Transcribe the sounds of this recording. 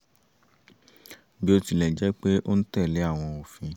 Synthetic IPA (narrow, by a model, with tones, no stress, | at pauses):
bi˦o˧ti˧˨lɛ˨d͡ʒɛ˨˦k͡pe˦ʔo˦n̩˦tɛ˦˨le˨˦a˦˨w̃ɔ̃˧o˨fĩ˧